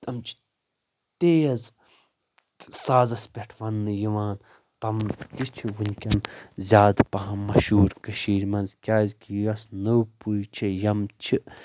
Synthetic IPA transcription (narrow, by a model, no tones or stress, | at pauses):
t̪ɐmt͡ʃʰi̥ | t̪eːjɐz | saːzɐspʲeʈʰʋɐnːɨjiʋaːn | t̪ɐmt̪it͡ʃʰiʋunʲkʲɐnzʲaːd̪pɐɦɐ̃mɐʃuːɾkɐʃiːɾmɐnzkʲaːzʲkʲijɐsnɐwpujt͡ʃʰijɐmt͡ʃʰi